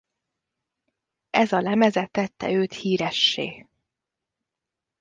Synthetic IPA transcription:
ɛzɒlɛmɛzɛt̪ːɛt̪ːɛ̰øːt̪hiːɾɛʃːḛː

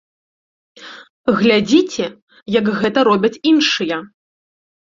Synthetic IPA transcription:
ɣlʲad͡zʲit͡sʲɛ | jɐkɣɛt̪ɐɾɔbʲɐt͡sʲinʂɨjɐ

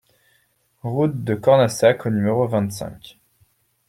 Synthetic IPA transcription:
ʁut̪̚d̪əkɔʁnasakonymeʁovɛ̃t̪sɛ̰̃kʲ

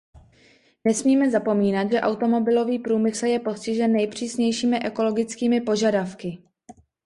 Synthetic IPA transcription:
nɛsmiːmɛzapo̞miːnat̪ʒɛʔawt̪o̞mo̞bɪlo̞viːpɾuːmɪsl̩jɛpo̞scɪʒɛnːɛjpr̝̥iːsɲɛjʃiːmɪʔɛko̞lo̞ɡɪt͡skiːmɪpo̞ʒadafkɪ

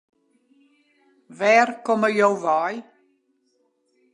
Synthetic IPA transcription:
vɛːrkɔməjowvaj

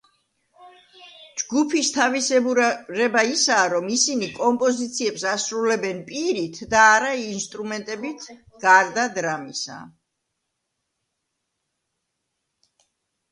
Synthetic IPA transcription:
d͡ʒɡupʰist̪ʰavisɛɾɛbaisaːɾɔmisinikʼɔmpʼɔzit̪sʰiɛpsasɾulɛbɛnpʼiɾit̪ʰd̪aːɾainst̪ʼɾumɛnt̪ʼɛbit̪ʰ | ɡ̥aɾd̪ad̪ɾamisa̰

